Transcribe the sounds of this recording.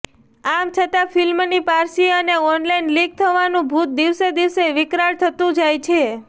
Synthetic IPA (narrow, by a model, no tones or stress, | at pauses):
amt͡ʃʰət̪ãfilmnipaɾsiəneɔnlajnliɡ̚t̪ʰəʋanũbʱut̪̚d̪iʋsed̪iʋseʋɪkɾaɽt̪ʰət̪ũd͡ʒajt͡ʃʰe